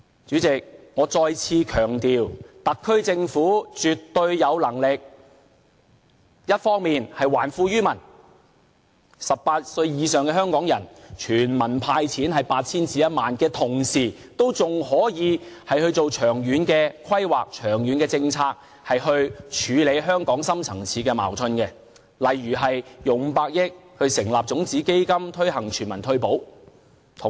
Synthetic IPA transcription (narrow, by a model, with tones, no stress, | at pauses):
t͡ʃyː˨˥t͡sɪ˨k̚ŋɔː˨˧t͡sɔː˧jt͡sʰiː˧kʰœː˨˩ŋt̪iː˨wt̪ɐ˨kʰːɵ˥ɥt͡sɪ˧ŋfuː˨˥t͡ʃyː˨˩t̪ːɵ˧ɥjɐ˨˧wlɐ˨˩ŋlɪ˨k̚ | jɐ˥t̚fɔː˥ŋmiː˨nhɐ˨jwa̰ː˨˩nfuː˧jyː˥mɐ˨˩n | sɐ˨p̚paː˧t̚sɵ˧ɥjiː˨˧sœː˨ŋkɛ˧˥ɦœː˥ŋkɔː˨˥ŋjɐ̰˨˩nt͡ʃʰyː˨˩nmɐ˨˩npʰaː˧jt͡sʰiː˨˥nhɐ˨jpaː˧t̚t͡sʰiː˥nt͡siː˨˧jɐ˥t̚maː˨nkɛː˧t̪ʰʊ˨˩ŋsiː˨˩ | t̪o˥wt͡sʊ˨ŋhɔː˨˥jiː˨˧hɐ˨jhɵ˧ɥt͡so˨wt͡ʃʰœː˨˩ŋjyː˨˥nkɛː˧kʰɐ˥jwaː˨k̚t͡ʃʰœː˨˩ŋjyː˨˧nkɛː˧t͡sɪ˧ŋt͡sʰaː˧k̚ | hɐ˨jhɵ˧ɥt͡ʃʰyː˨˧le˨˧jɦœː˥ŋkɔː˨˥ŋsɐ˥mt͡sʰɐ˨˩ŋt͡sʰiː˨˧˥kɛː˧ma̰ː˨˩wt͡sʰɵ˧nkɛ˧ | lɐ˨˩jɥyː˨˩ɦɐ˨jjʊ˨ŋm̩˨˧paː˧k̚jɪ˥k̚hɵ˧ɥsɪ˨˩ŋlaː˨p̚t͡sʊ˨˧˥ŋt͡siː˨˥ke˥jkɐ˥mt̪ʰɵ˥ɥɦɐ˨˩ŋt͡ʃʰyː˨˩nmɐ˨˩nt̪ʰɵ˧ɥpo˨˥w | t̪ʰ